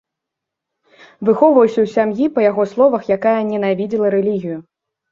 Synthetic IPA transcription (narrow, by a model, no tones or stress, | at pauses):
vɨxɔwvɐwsʲɐwsʲamjipɐjaɣɔslˠɔvɐxjakajɐnʲɛnavʲid͡zʲilˠɐɾɛlʲiɣʲiju